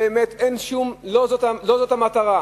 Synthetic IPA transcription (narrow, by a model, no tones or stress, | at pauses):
eemet̪enʃumlozot̪alo̞zot̪amat̪aʁa